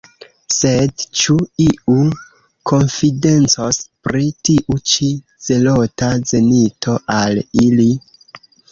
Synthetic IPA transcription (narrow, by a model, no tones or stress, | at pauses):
se̞dt͡ʃuiu | kʰo̞nfident͡sospɾitiʔut͡ʃi | z̥e̞lo̞taze̞nitʰo̞ʔalili